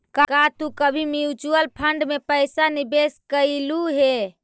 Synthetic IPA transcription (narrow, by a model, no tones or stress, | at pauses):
kakat̪ukəbʱimiut͡ʃuəlpʰəɳɖmepəjsanibeskəɪluɦe